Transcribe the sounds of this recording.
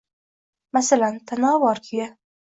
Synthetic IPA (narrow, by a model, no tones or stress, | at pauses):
masalant̪ʰanɒːvɒɾkʲʰɪja